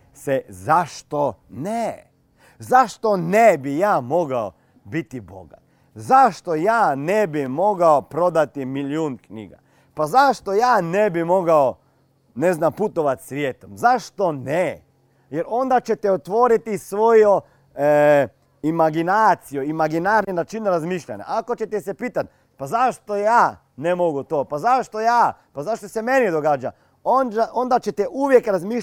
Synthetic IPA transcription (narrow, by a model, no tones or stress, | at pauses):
sezaʃt̪one | zaʃt̪o̞nebijaːmo̞ɡao | bit̪ibo̰ɡa̰t̪ | zaʃt̪o̞jaːnebimo̞ɡaopɾo̞d̪at̪imiljuːnknḭɡa̰ | pazaʃt̪ojaːnebimo̞ɡao | neznamput̪oʋat̪sʋjeːt̪omzaʃt̪o̞ne | jeɾo̞nd̪at͡ʃet̪ɛot̪ʋo̞ɾit̪isʋojo | imaɡinaːt̪sijoimaɡinaɾninat͡ʃinɾazmiːʃʎa̰ɲa̰ʔako̞t͡ʃet̪ɛsepiːt̪at̪̚ | pazaʃt̪ojaː | nemoɡut̪oːpazaʃt̪o̞jaːpazaʃt̪osemenid̪oɡaːd͡ʒa̰ | onaʔond̪at͡ʃe̞t̪ɛʔuʋjekɾazmiː